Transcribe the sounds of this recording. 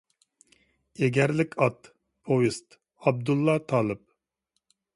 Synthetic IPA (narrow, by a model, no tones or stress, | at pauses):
eɡʲɛɾlɪkʲʰɑt̪ | pʰojist̪ | ɑb̚d̪ulˠːɑt̪ʰɑːlˠɨp̚